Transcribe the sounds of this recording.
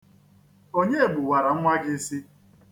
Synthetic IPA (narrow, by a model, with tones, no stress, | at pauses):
o˦ɲe˦e˨ɡ͡bʊ˨wa˨ɾa˨ŋ̩˦ŋʷa˦ɡɪ˦si˦